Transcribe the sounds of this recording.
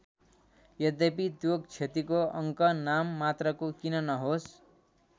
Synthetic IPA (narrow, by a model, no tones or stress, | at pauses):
jʌd̪epit̪joɡ̚t͡sʰet̪ikoʌŋkʌnamːat̪rʌkokinʌnʌɦos